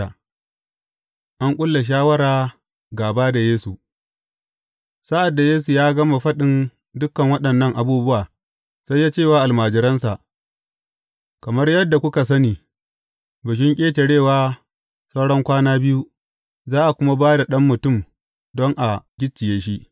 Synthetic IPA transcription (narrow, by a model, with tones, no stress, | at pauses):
a˨ | ʔa˦ŋkʷʼʊ˦lːa˨ʃ̬aː˦wɐ˦ɽaː˨ | ɡaː˨baː˦da˨jeː˦su˨ | sa˦ʔa˨dːa˨jeː˦su˨jaː˦ɡɐ˦ma˨ɸɐ˦ɗɪ˨n | dʊ˦kːɐ˨ŋwɐ˦ɗɐ˨nːɐ˦˨ŋʔa˨buː˦bʊ˦waː˨ | sa˦jːaː˦t͡ʃe˦˨waː˦ʔa˨lmaː˨d͡ʒɪ˨˦ɾɐ˦nsa˨ʔ | kɐ˨mɐ˦rjɐ˦dːa˨kʷʊ˦ka˨s̬ɐ˦niː˨ | bɐ˨ʃ̬ɪ˦ŋkʲʼeː˦te˨ɽeː˦˨waː˦ | sɐ˦wɽɔ˦ŋkʷaː˦naː˦bɪ˦ju˦ | zaː˦ʔa˨kʷʊ˦ma˦baː˦da˨ɗɐ˦mːʊ˨tʊ˦˨m | dɔ˦ŋʔa˨ɡʲɪ˦t͡ʃːɪ˨jeː˦ʃi˦ʔ